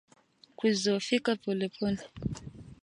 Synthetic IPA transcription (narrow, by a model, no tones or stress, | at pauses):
kuzɔfikapɔlɛpʰɔni